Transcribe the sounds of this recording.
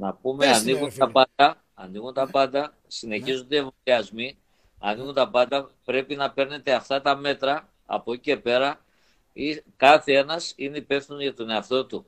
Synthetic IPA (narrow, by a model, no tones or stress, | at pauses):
nɐpumeɐniɣunt̪ɐpɐd̪ɐ | ɐniɣunt̪ɐpɐnd̪ɐ | sine̞çizund̪eevoliɐzmi | ɐ̰niɣunt̪ɐpɐnd̪ɐpɾe̞pinɐpe̞ɾne̞t̪e̞ɐft̪ɐt̪ɐme̞t̪ɾɐ | ɐ̰po̞cice̞pe̞ɾɐ | ikɐθee̞nɐsineipe̞fθinuʝɐt̪o̞ne̞ɐft̪o̞t̪u